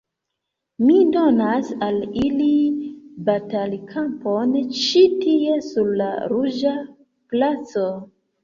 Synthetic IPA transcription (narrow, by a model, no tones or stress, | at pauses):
mido̞nasalilibatalkʰampont͡ʃitie̞suɾla̰ɾud͡ʒa | plat͡so̞